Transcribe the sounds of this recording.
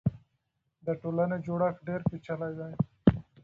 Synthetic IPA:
d̪əʈolaned͡ʒoɽaxɖeɾpit͡ʃalajd̪aj

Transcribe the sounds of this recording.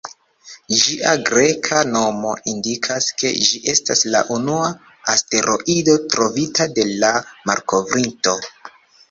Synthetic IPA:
d͡ʒiʔaɡɾe̞kʰano̞mo̞̰ʔindikʰaske̞̰d͡ʒiʔe̞stasla̰ʔunua | aste̞ɾʔo̞̰ʔido̞tɾo̞vitade̞lama̰ɾko̞vɾinto̞

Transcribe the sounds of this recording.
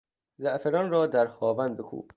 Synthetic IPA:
zæʔfeɾɒnɾɒːd̪æɾhɒːvænd̪̚bekʰṵːb

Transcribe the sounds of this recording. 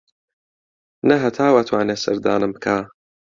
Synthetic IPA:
nɐɦɐt̪ʰaːwat̪ʰwaːneːsɐ̰ɾd̪a̰ːnɨmbɨkʰaː

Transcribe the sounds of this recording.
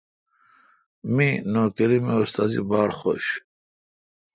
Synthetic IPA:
minoːkeɾimeust̪azḭbaːɽχo̰ɕ

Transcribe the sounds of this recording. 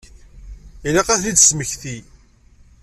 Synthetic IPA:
ilæqæθid̪sməçθi

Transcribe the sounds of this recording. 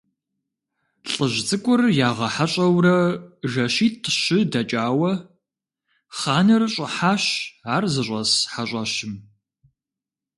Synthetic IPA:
ɬʼəʑt͡sʼɨkʷʼʊrjaːʁɐħaɕʼɐwrɐʒɐɕiːtʰɕɪdɐt͡ʃʼaːwɐ | χaːnɨrɕʼɪħaːɕaːrzɨɕʷʼɐsħaɕʼɐɕɪm

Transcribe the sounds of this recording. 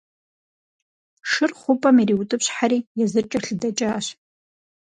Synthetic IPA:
ʂɨrχʷʊpʼamiriwutʼɨpʰɕħaɾiːjazɨt͡ʃʼaɬɨdat͡ʃʼaʃʷ

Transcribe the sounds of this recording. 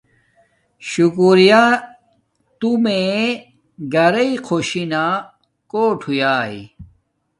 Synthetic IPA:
ɕukuɾija | t̪umẽ | ɡɐɾɐiqʰoɕina | koːʈʰujaːi

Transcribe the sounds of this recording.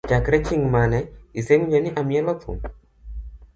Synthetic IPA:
t͡ʃakɾɛt͡ʃiŋmanɛisemɲd͡ʒɔniʔamjɛlɔtṵm

